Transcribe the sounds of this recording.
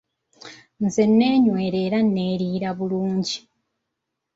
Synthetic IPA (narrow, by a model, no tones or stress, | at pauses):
nze̞nːeːɲwe̞ːɾe̞ːɾanːeːɾiːɾaβuluːɲɟi